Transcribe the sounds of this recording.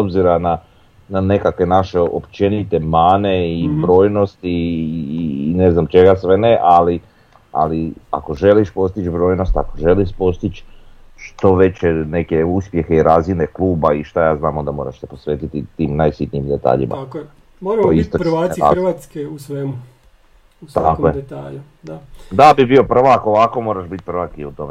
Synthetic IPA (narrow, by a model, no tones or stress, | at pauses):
obziɾana | nane̞kakʋe̞naʃe̞o̞̰pt͡ʃe̞nit̪e̞maːne̞ibɾo̞ːjno̞st̪iː | ne̞znamt͡ʃe̞ɡasʋe̞neʔali | a̰lia̰ko̞ʒe̞liʃpo̞st̪it͡ʃbɾo̞ːjno̞st̪akoʒe̞liʃpo̞st̪it͡ʃʃt̪o̞ʋe̞t͡ɕene̞keuspje̞xeiɾazine̞klˠuːbaiʃt̪ajaːznaːmo̞nd̪amo̞ːɾaʃsepo̞sʋeːt̪it̪it̪iːmnajsit̪niːmd̪et̪a̰ːʎḭmʔa̰k | moɾaoisoaa̰rʋaːt̪skeusʋemu | t̪akojeet̪aːʎu | d̪ad̪abibio̞pr̩ʋakoʋako̞mo̞ːɾaʃbit̪̚pɾ̩ʋakiut̪o̞me